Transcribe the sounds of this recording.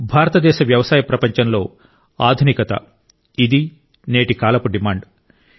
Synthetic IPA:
bʱaːɾɐt̪ɐd̪ɛːʃɐʋjɐʋɐsaːjɐpɾɐpɐɲt͡ʃɐnlo̞ː | a̰ːd̪ʱunikɐt̪ɐ̰ | id̪i | neːʈikaːlɐpuɖimaːɳɖ

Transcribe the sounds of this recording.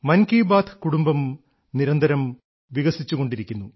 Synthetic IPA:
mɐnkiːbaːt̪ʰkuɽumbɐm | niɾɐnd̪ʱɐɾɐm | ʋiɣɐsit͡ɕːuɣo̞ɳɖiɾikʲːunːu

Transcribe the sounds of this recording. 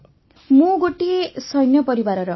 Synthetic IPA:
muɡoʈisʌjnjʌpʌɾiwaɾʌɾʌ

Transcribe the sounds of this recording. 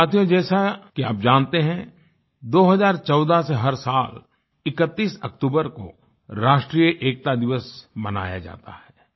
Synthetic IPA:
aːt̪ʰijõd͡ʒɛːsakia̰ːp̚d͡ʒãːnt̪eɦɛ̃ | d̪oːɦɐzaːɾt͡ʃɔːd̪aseɦɐɾsaːl | ɪkət̪ːiːsɐ̰kt̪uːbəɾko̰ | ɾaːʃʈɾijəʔeːk̚t̪ad̪ɪʋəsmɐna̰ːja̰d͡ʒa̰ːt̪a̰hɛː

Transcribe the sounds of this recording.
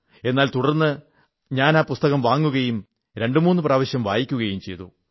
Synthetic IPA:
e̞nːaːlt̪uɽɐrnːɨ | ɲaːnaːpust̪ɐɣɐmʋaːŋːuɣɐjum | ɾe̞ɳɖɨmuːnːɨpraːʋɐɕjɐmʋaːjikʲːuɣɐjumt͡ɕe̞̰jt̪ṵ

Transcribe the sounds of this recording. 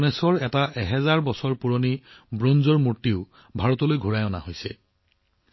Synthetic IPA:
nɛsɔɹɛtaʔɛɦɛzaɹbɔsɔɹpuɹonibɹonzɔɹmuɹtiʊ | bʱaɹɔtɔlojɡʱuɹajɔna̰hojsɛ

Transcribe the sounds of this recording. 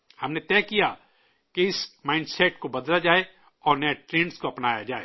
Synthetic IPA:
hɐmnet̪ɛːkija | keɪsmaːɪ̃ɳɖsɛʈkobɐd̪lad͡ʒaːe | ɔːɾnɛʈɾẽːɳɖskoɐpnaːjad͡ʒaːḛː

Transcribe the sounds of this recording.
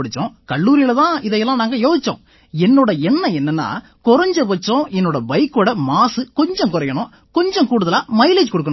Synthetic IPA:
ɽɯt͡ʃːõːkɐɭːuːɾɪjɪlɐt̪ãːɪðɐjɛlːãːnaːŋɡɐjoːsɪt͡ʃːõ̰ː | ɛnːoːɽɐɛnːɐɛnːɐnːa̰ː | kʊɾɐɲd͡ʒɐpɐt͡ʃːõːɛnːoːɽɐbɐɪkːoːɽɐmaːsɯkɔɲd͡ʒɔ̃kʊɾɐjɐɳʊ̃ | kɔɲd͡ʒɔ̃kuːɽɯðɐlaːmɐɪleːd͡ʒkɔɽɯkːɐɳ̃

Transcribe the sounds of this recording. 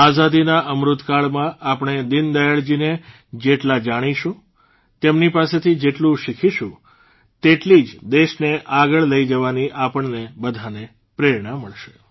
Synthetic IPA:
azad̪inaʔəmɾʊt̪kaɭmãʔapɳ̃ed̪ind̪əjaɭd͡ʒine | d͡ʒeʈlad͡ʒaɽ̃iʃũ | t̪emnipaset̪ʰid͡ʒeʈlũʃikʰiʃũ | t̪eʈlid͡ʒd̪eʃneʔaɡəɭləid͡ʒəʋaniʔapəɳnebəd̪ʱane | pɾeɾɳaməɭʃe̥

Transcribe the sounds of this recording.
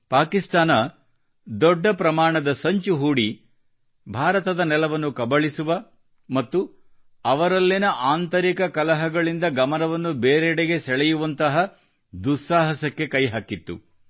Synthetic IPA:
paːkist̪aːnɐ | d̪ɔɖːɐpɾɐmaːɳɐd̪ɐsɐɲt͡ʃuɦuːɽi | bʱaːɾɐt̪ɐd̪ɐnɛlɐʋɐnːukɐbɐɭisuʋɐ | mɐt̪ːu | ɐʋɐɾɐlːinɐʔaːnt̪ɐɾikɐkɐlɐɦɐɡɐɭind̪ɐɡɐmɐnɐʋɐnːubeːɾeɽeɡe̞sɛɭɛjuʋɐnt̪ɐɦɐ | d̪usːaːɦɐsɐkːe̞kɐjɦaːkit̪ːṵ

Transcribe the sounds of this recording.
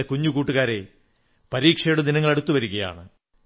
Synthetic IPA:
ekuɲːukuːʈːuɣaːɾe̞ | pɐɾiːkʂɐjuɽɐd̪inɐŋːɐɭeɽut̪ːuʋɐɾuɣɐja̰ːɳɨ

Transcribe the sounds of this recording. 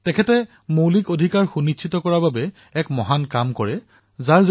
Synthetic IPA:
tɛkʰɛtɛ | mowlikodʱikaɹxunitt͡ʃʰitɔkɔɹababɛ | ɛkmɔɦankamkɔɹɛ | zaɹzo

